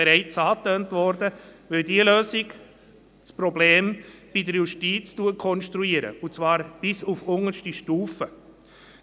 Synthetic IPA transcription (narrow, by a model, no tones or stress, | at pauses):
ɛɾɛɪt͡sɑːtøːntʋɔɾdəʋɪldiəløːsɪk | t͡spɾɔbleːmb̥idəɾjuʃtiːt͡stuəkʰɔnʃtɾuiːəɾə̰ut͡svɑːɾb̥ɪsufʊŋəɾʃtiʃtuːfə